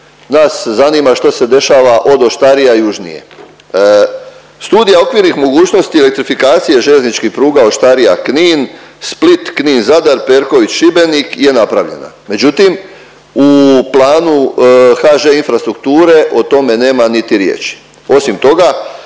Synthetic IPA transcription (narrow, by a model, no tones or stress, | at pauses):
naszaniːmaʃt̪ose̞d̪e̞ʃaːʋaʔo̞d̪o̞ʃt̪aɾijajuʒnḭje̞̰ | st̪uːd̪ijao̞kʋiɾnixmo̞ɡuːt͡ʃno̞st̪ielek̚t̪ɾifikaːt̪sije̞ʒeʎe̞znit͡ʃkixpɾuːɡao̞ʃt̪aɾijakniːnsplit̪kniːnzad̪aɾpe̞ɾko̞ʋit͡ɕʃibe̞nikje̞napɾaʋʎe̞̰na̰me̞d͡ʑut̪im | uplˠaːnuxaʒeinfɾast̪ɾukt̪uːɾe̞ʔot̪o̞me̞ne̞ːmanit̪iɾjḛːt͡ʃi̥ | o̞simt̪o̞ɡa